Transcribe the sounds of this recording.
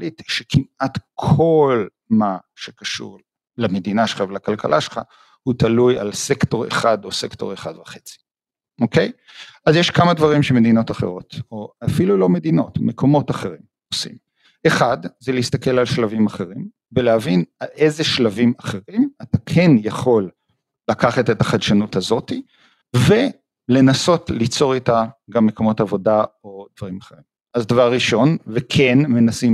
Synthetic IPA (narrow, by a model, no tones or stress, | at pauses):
litʃekʰimat̪kʰo̞l | ma | ʃekaʃṵʁ | lamed̪inaʃel̥χavelakalkalʔaʃelχa̰ | hutaluja̰lsekto̞ʁḛχado̞se̞kto̞ʁeχa̰dvaχet͡si̥ | ʔo̞ke̞j | azjeʃkamadvaʁimʃeme̞d̪ino̞taχe̞̰ʁo̞toafilulo̞me̞d̪ino̞̰tmekʰo̞mo̞taχe̞ʁim | osḭm | ʔe̞χadzeleist̪ake̞lalʃlavimaχe̞ʁim | beleavinae̞zeʃlavimaχe̞ʁimatakʰe̞njaχo̞lː | akaχatetaχadʃanutazo̞ti | ve | le̞naso̞tlit͡so̞ʁitaɡamːe̞ko̞mo̞tavo̞dao̞d̥̪vaʁimaχeʁim | azdavaʁːiʃo̞nvekʰenme̞nasim